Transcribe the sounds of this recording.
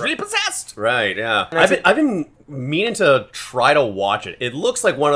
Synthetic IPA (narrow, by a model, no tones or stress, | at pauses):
ɹɪlˠipʰəzɛstɹaɪt̚jæaɪbɨ̃naɪvbɨ̃n | mĩñɪ̃ŋtʰɨtʰɹ̥aɪɾəwɑ̰t͡ʃɨ̰tɪtˡlʊkslaɪkwʌ̃nʌ